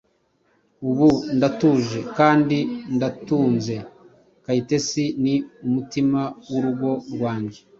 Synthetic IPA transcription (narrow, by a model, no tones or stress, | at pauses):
uβundatuːʒe̞kaːndindatuːnze̞ | kaite̞siniumutimawuɾuɡo̞ɾwaːɲɟe